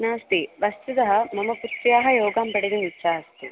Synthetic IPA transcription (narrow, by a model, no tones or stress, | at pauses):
naːst̪iʋɐst̪ud̪ɐɦɐmɐmɐput̪ɾjaːɦɐjoːɡaːmpɐɽid̪ɐnitːʃaːst̪ḭ